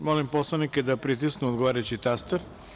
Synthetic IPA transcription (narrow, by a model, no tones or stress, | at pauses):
molimposlˠaniked̪apɾit̪̬isknuod̪ɡoʋaːɾajut͡ɕit̪ast̪eɾ